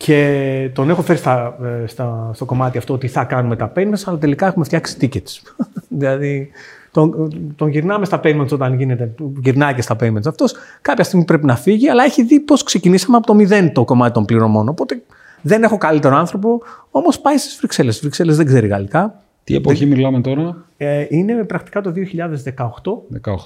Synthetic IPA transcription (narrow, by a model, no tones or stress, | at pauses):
cʰe̞t̪o̞ne̞xofe̞ɾist̪ɐst̪ɐst̪o̞ko̞mɐt̪iɐft̪oot̪iθɐkɐnume̞t̪ɐpenmensɐlɐt̪e̞likɐe̞xumeft̪çɐksi̥t̪icet̪s | ðilɐðit̪ot̪o̞nʝiɾnɐme̞st̪ɐpemenso̞t̪ɐnʝine̞t̪e̞ʝiɾnɐjcest̪ɐpemensɐft̪o̞skɐpçɐst̪iɣmipɾe̞pinɐfiʝiɐlɐe̞çiðipo̞skse̞cinisɐmeɐpot̪o̞miðe̞nt̪o̞ko̞mɐt̪it̪o̞mpliɾo̞mo̞no̞pot̪e̞ | ðene̞xo̞kɐlit̪eɾoɐnθɾo̞p̬o̞o̞mospɐjst̪i̥zvɾikse̞le̞svɾikse̞lezðeɡze̞ɾiɣɐ̰likɐ | t̪ḭepoçimilɐmet̪o̞ɾɐeine̞pɾɐkt̪i̥kɐt̪o̞ðio̞çiʎɐðe̞zðe̞kɐoxt̪o̞ðekɐot